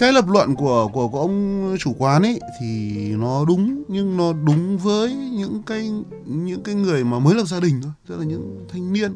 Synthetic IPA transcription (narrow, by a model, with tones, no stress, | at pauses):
kaː˨˦jləː˨˩p̬̚lwə̰˧˨nku˧˩əku˧˩əkʔə˧wŋ͡mt͡ɕu˧˩kwaː˨˦nʔə˨˦jt̪ʰi˨˩nɔ˨˦ɗʊ˨˦ŋ͡mɲɨ˧ŋnɔ˨˦ɗʊ˨˦ŋ͡mvəː˨˦jɲɨ̰˧˥ŋkaː˨˦j | ɲɨ̰˧˥ŋkaː˨˦jŋɨ˨˩əjmaː˨˩məː˨˦jləː˨˩p̚zaː˧ɗï˨˩ŋ̟t̪ʰo˧˩jə˦˥laː˨˩ɲɨ̰˧˥ŋt̪ʰa˧jŋ̟ni˧ən